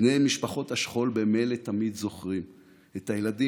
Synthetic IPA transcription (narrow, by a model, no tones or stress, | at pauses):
nejmiʃpaχo̞t̪haʃχo̞lbemelet̪amid̪zo̞χʁim | et̪ajeladi